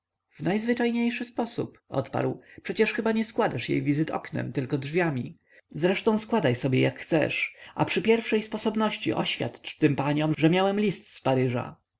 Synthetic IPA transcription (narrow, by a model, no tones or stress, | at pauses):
vnajzvɘt͡ʂajɲejʂɘspɔsṵpʔɔ̰t̪pa̰ɾwpʂɛt͡ɕɛʂxɘbaɲɛskwad̪aʂjḛjvʲizɘt̪ɔ̰knɛ̰mt̪ɘlkɔdʐvʲjamʲi | zɾɛʂt̪ɔ̃w̃skwad̪ajsɔbʲjɛjakxt̪sɛ̰ʂʔa̰pʂɘpʲjɛɾfʂɛjspɔsɔbnɔɕt͡ɕḭʔɔ̰ɕfʲja̰t̪t͡ʂt̪ɘmpaɲɔmʐɛmʲjawɛmlʲist̪spaɾɘʐa̰